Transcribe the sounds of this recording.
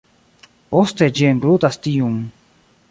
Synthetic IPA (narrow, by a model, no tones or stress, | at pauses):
ost̪ed͡ʒieŋɡɾut̪ast̪ijum